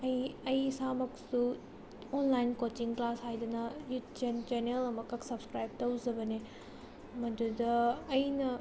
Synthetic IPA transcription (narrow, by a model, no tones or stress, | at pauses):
ɐjɐjsamɐksu | onlajnkot͡ʃiŋklashajdɐnɐjutd͡ʒend͡ʒenelɐmɐkɐksɐbskɾajb̚tɐwzɐbɐne | mɐdudɐːjnɐ